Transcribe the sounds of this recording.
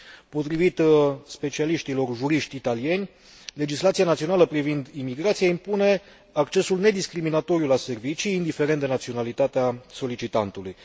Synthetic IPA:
po̞t̪ɾivit̪spe̞t͡ʃialiʃt̪ilo̞rʒuɾiʃt̪ʲit̪alie̞nʲ | le̞d͡ʒislat̪sianat̪sio̞naləpɾivind̪imiɡɾat̪sijeimpune̞ | akt͡ʃe̞sulne̞d̪iskɾiminat̪o̞ɾjulase̞rvit͡ʃiːnd̪ife̞ɾent̪d̪e̞nat̪sio̞nalit̪at̪easo̞lit͡ʃit̪ant̪uluj

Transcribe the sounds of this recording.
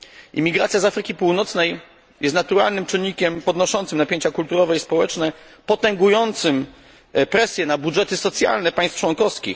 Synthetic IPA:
ḭmʲiɡɾat̪sʲjazafɾɘkʲipuwnɔt̪snɛj | jɛst̪nat̪uɾalnɘmt͡ʂɘɲɲːikʲɛmpɔd̪nɔʂɔnt̪sɘmnapʲjeɲt͡ɕakult̪uɾɔvɛispɔwɛt͡ʂnɛpɔt̪ɛŋɡujɔnt̪sɘm | pɾɛsʲjɛnabuʐɛt̪ɘsɔt̪sʲja̰lnɛpaj̃st̪ft͡ʂwɔnkɔfskʲḭx

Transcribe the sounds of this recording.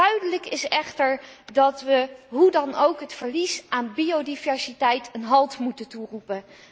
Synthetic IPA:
œɥdələkɪsɛχtəɹdɑtʋəɦudɑnowkɦətfəɹlisaːnbiodivɛɹsitɛjtʰənɦɑlˠtmutənturupən

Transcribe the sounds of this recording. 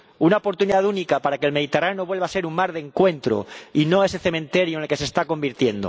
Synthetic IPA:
unaopo̞ɾt̪uniðaðunikapaɾakelme̞ð̞it̪eranoβwe̞lβase̞ɾuŋmaɾðeŋkwe̞nt̪ɾo̰ino̞e̞se̞θe̞mẽnt̪e̞ɾjoenelke̞sest̪ako̞mbiɾt̪je̞nd̪o̰

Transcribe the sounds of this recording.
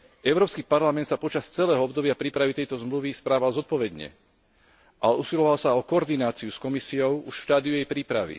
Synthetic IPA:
ɛʊɾɔːpskiːpaɾlamɛnt̪sapɔt͡ʃast͡sɛlɛːɦɔɔbd̪ɔbɪapɾiːpɾaʋit̪ɛjt̪ɔzmluʋispɾaːʋalzɔt̪̚pɔʋɛd̪ɲɛ̰ | ʔalɛusilɔʋalsaɔkɔɔːɾd̪inaːt͡siuskɔmisiɔʊuʃʃt̪aːd̪iujɛjpɾiːpɾaʋḭ

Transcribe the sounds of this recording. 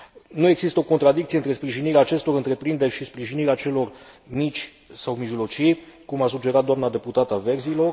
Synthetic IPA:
nue̞ɡz̥ist̪əo̞ko̞nt̪ɾad̪ikt̪sieɨnt̪ɾe̞spɾiʒiniɾeaːt͡ʃe̞st̪o̞ɾɨnt̪ɾe̞pɾind̪e̞rʲʃispɾiʒiniɾeaːt͡ʃe̞lo̞r | mit͡ʃʲ | sawmiʒlo̞t͡ʃikumasud͡ʒe̞ɾat̪̚d̪oamnad̪e̞put̪at̪ave̞rzilo̞r

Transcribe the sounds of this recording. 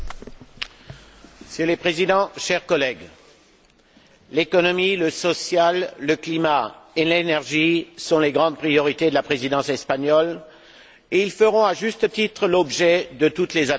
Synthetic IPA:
selepχezid̪ɑ̃ʃɛʁkɔlɛɡ | lekɔnɔmiləsɔsjalːəklimaelenɛʁʒisɔ̃leɡʁɑ̃d̪̚pχijɔʁit̪ed̪əlapχezid̪ɑ̃sɛspaɲɔl | eilfəʁɔ̃aʒyst̪ət̪it̪χəlɔbʒɛd̪ət̪ut̪leza

